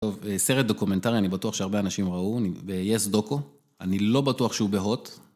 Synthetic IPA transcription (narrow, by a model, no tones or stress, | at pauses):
oveseʁet̚d̪o̞kume̞ntaʁianibatuaχʃeaʁbe̞anaʃimʁaunibejesd̪o̞ko̞ | anilo̞batuaχʃeubeɦo̞t